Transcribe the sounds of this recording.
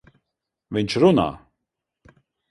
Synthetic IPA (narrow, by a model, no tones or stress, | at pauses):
vint͡ʃʰɾuna̰